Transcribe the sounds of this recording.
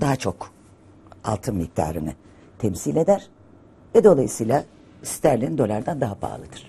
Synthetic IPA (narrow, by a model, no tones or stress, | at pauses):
d̪aɦat͡ʃʰo̞k | a̰lˠt̪ʰɯnmik̚t̪ʰa̰ːɾɯnɯ | t̪ʰɛmsilʲe̞d̪æɾ̥ | vɛd̪o̞lˠajɯsɯjlˠa | st̪ʰæɾlʲind̪o̞lʲˠaɾd̪ænd̪aɦaba̰ːlˠɯd̪ɯɾ̥